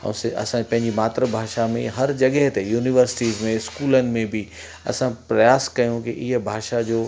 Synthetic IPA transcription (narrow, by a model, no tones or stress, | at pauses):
ɛ̰̃sɐ̰sãpɐ̃ɦɪ̃ɲd͡ʑimaːt̪ɾəbʱaːʃamẽɦɐɾd͡ʑɐɠəɦt̪ejuːniʋəɾsɪ̥ʈiːzmẽɪskuːlənɪ̆mẽbʱi | ɐ̰sãpɾɐjaːskɐjũkiʔɪɦbʱaːʃad͡ʑoː